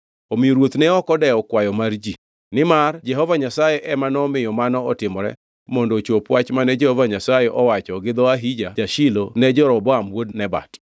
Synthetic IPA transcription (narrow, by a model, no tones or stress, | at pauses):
omɪoɾwot̪nɛɔkɔdɛɔkwajɔmard͡ʒi | nɪmard͡ʒɛɦɔvaɲasajɛʔɛmanɔmɪjɔmanɔɔtɪmɔɾɛ̰ | mɔndɔt͡ʃopwat͡ʃmanɛd͡ʒɛhɔvaɲasajeʔɔwat͡ʃɔɡɪd̪ɔaɦid͡ʒad͡ʒaʃilonɛd͡ʒɔɾɔbɔamwodnɛba̰t